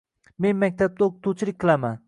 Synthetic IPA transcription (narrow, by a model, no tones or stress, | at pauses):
me̞nmak̚ʲt̪ʰap̚d̪aokt̪ʰut͡ʃʰɪlɪk̚ʲqʰɨlˠaman